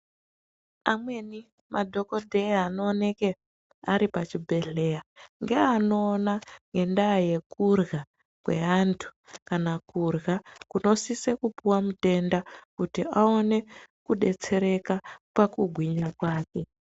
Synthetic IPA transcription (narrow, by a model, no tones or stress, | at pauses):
a̰mwe̞ni | mʔadʱo̞ko̞dʱe̞iano̞ːne̞ke | aɾipat͡ʃibʱe̞ɮe̞jaŋɡeano̞ːnaŋɡe̞ndaːje̞kurɣa | kwe̞antʰu̥kanakurɣakuno̞sisekupuwamute̞ndakutiao̞ne̞kuɗe̞̰t͡se̞ɾe̞kapakuɡʱwiɲakwaːke̞